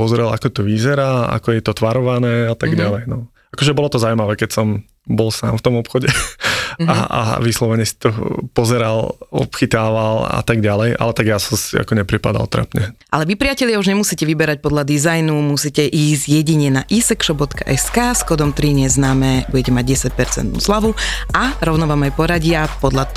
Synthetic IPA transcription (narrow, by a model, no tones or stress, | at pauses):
ɔzɾɛlakɔt̪ɔʋizɛɾaːa̰kɔjɛt̪ɔt̪ʋaɾɔʋanɛːat̪aɡɟalɛjnɔ | akɔʒɛbɔlɔt̪ɔzawjmaʋɛːkɛcsɔm | bɔlsa̰ːmft̪ɔmɔpxɔɟɛ | aa̰ʋislɔʋɛɲɛsi̥t̪ɔpɔzɛɾalɔ̰pxit̪aːʋala̰t̪aɡɟalɛjʔa̰lɛt̪aɡjasɔsia̰kɔɲɛpɾipad̪a̰lt̪ɾa̰pɲɛʔa̰lɛʋipɾɪacɛʎɪauʒɲɛmusiːcɛʋibɛɾac̚pɔd̪ʎlad̪izajnumusiːcɛʔiːzɟjɛɟiɲɛnaʔisɛkʃɔbɔt̪kaʔɛskaːskɔd̪ɔmt̪ɾiɲɛznaːmɛbuɟɛcɛmaɟ̚ɟɛsac̚pɛɾt͡sɛ̰nt̪̚nṵslaʋuʔaɾɔʊnɔʋaːmajpɔɾaɟɪapɔd̪ʎat̪